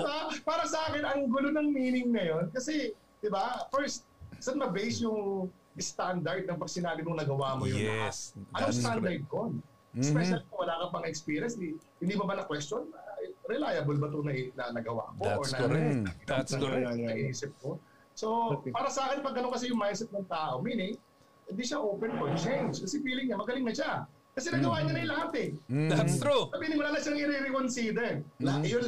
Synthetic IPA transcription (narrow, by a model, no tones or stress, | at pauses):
apaːɾɐsɐʔaːkɪnɐŋɡʊlonɐŋmiːnɪŋnɐjo̞nkɐsɛ | d̪̥ɪbafɛɹst̪̚sɐt̪mɐbɛjsjʊŋ | ɪst̪and̪ɐɹd̪̚nɐŋpɐɡsɪnaːbɪnʊŋnɐɡɐwaːmojʊmɐasɐnoŋsɐsand̪ɐɹd̪̚kon | ɛsspɛʃɐlkɐwɐlaːkɐpɐŋɛkspiːɾjɐnsihɪnd̪iːbɐbanɐkwɛstonɐɾɪlajɐbolbɐt̪onɐʔnɐnɐɡɐwa̰ʔɐkoʔoɹnɐɛɐ | ɐʔiːsɪp̚ko | so̞paːɾɐsɐaːkɪnpɐɡɐnoŋkɐsɛjʊŋmajsɛt̪̚nɐŋt̪aːʔo̞miːnɪŋ | hɪnd̪iʃaʔoːpɛnkont͡ʃejnskɐsɛfiːlɪŋɲɐmɐɡɐlɪŋnɐʃa | kɐsɛnɐɡɐwaːjɐɲːɐnɐjlɐɦat̪ɛ | ɾusɐbiːnɪŋmʊnalaʃaŋʔɪɾiɾɪkonsiːd̪ɛlaʔjon